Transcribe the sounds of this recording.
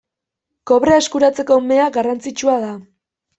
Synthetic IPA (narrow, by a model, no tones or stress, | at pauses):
ko̞βɾeeskuɾat͡se̞ko̞me̞aɣarant͡sit͡ʃuaða